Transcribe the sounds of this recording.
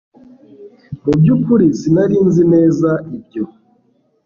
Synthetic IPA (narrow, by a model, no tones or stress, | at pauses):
objupuɾisinaɾiːnzineːzaibɟo